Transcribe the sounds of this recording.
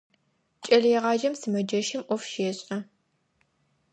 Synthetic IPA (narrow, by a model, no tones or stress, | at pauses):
t͡ʃʼɐɮɛʁɑːd͡ʒɐmsɨmɐd͡ʒɐʃɪmʔʷɔfʃeːɕʼɐ